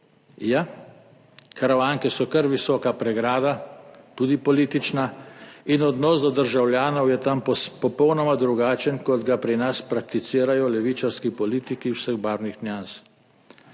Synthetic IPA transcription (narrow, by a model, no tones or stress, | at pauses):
ja | kaɾaʋaːŋkɛsɔkəɾʋisɔːkapɾɛɡɾaːd̪at̪uːd̪ipɔliːt̪it͡ʃnainɔd̪nɔːsd̪ɔd̪əɾʒawljaːnɔwjɛt̪ampɔpɔwnɔmad̪ɾuɡaːt͡ʃənkɔd̪ɡapɾinaspɾak̚t̪it̪siːɾajɔlɛʋit͡ʃaɾskipɔliːt̪ikiwsəɣbaːɾnixnjans